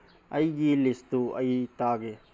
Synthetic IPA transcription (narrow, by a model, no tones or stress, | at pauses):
ɐjɡilist̪uɐ̰it̪aːɡe